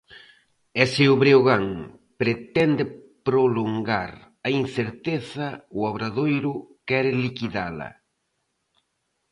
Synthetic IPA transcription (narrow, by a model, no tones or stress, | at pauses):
ɛseʊβɾeoɣaŋ | pɾet̪ɛnd̪ɪpɾoloŋɡaɾ | ɐin̟θeɾt̪eθɐʊaβɾaðojɾʊkɛɾɪlikiðalɐ̰